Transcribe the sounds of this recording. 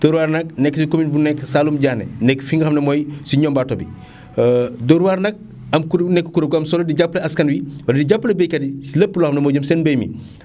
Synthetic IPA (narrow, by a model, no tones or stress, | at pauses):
d̥ɔɾwaːɾnɐk̚nɛkːsikominbunɛkːsalumɟaːnɛ̰nɛkːfiŋɡɐxɐmnɐmɔjsiɲɔmbatɔbḭ | dɔɾwaːɾnɐk̚ | ɐmkunɛkːə̥kuɾɐɡɐmsɔlɐdiɟapːlɐɐskɐnwiwɐldiɟapːlɐbɛjkɐdisilɐpːlɔxɐmnɐmɔːɟɐmsɛːnbɐjmḭ